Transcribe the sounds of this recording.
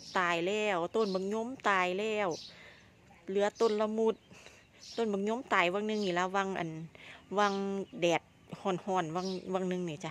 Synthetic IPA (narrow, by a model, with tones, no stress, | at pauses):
t̪aː˨˩jlɛː˧˩wt̪o˧˨nbɯ˧˩ŋ̚ɲo˧˥˨mt̪aː˨˩jlɛː˧˩w | lɯ˧˦ɐ˧˦t̪o˧˩˨nla˧mu˧t̪̚ | t̪o˧˨nbɯ˧˦ŋɲo˧˥˨mt̪aː˨˩jwa˧˨ŋnɯ˧˨ŋniː˧˩la˧wa˧˨ŋʔa̰˨nwa˧˨ŋdɛː˨˩t̪̚ | hɔː˧˩˨nhɔː˧˩˨nwa˧˥˨ŋwa˧˨ŋnɯ˧˨ŋniː˧˩t͡ɕa˧